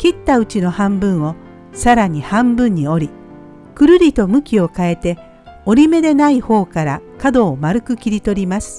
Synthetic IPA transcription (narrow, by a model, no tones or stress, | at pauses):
kʲit̪ːaɯ̟t͡ɕino̞hãmbɯ̟̃ɰ̃o̞ | saɾaɲ̟ihãmbɯ̟̃ɲ̟ːio̞ɾʲi | kɯ̟ɾɯ̟ɾʲit̪o̞mɯ̟kʲio̞kae̞t̪e̞ | o̞ɾʲime̞d̪e̞naiho̞ːkaɾakad̪o̞ːmaɾɯ̟kɯ̟kʲiɾʲit̪o̞ɾʲimasɨ̥